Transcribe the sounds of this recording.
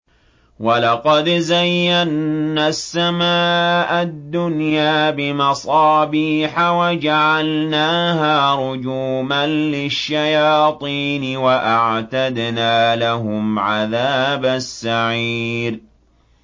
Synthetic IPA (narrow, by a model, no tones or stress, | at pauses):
walɑqɑd̪zajːanːasːamaːʔad̪ːʊnjaːbɪmɑsˤɑːbiːħawad͡ʒaʕalnaːɦaːɾʊd͡ʒuːmanlɪʃːajɑːt̪ˤiːnwaʔaʕt̪ad̪naːlaɦʊmʕaðaːbasːaʕiːɾ